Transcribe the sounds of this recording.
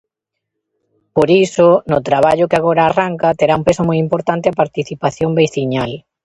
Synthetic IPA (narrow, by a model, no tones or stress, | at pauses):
poɾisʊnʊt̪ɾaβ̞aʎʊkɪaɣ̞oɾaːraŋkat̪eɾaumpesʊmojimpoɾt̪ant̪ɪɐpaɾt̪iθipaθjombejθiɲal